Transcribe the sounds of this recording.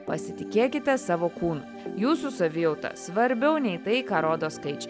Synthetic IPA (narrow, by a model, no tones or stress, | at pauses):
pɐsʲɪt̪ʲɪkʲeːkʲɪt̪ʲɛsɑːʋoːkuːnu | juːsusɐʋʲɪjɔʊt̪ɐ̰sʋɐɾʲbʲɛʊnʲɛɪt̪ɐɪkɑːɾoːd̪oːskɐɪt͡ʃʲɛ